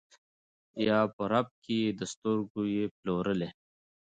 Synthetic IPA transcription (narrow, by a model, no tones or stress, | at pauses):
jaːpoɾɐb̚kid̪ɐst̪uɾɡujeploːɾəle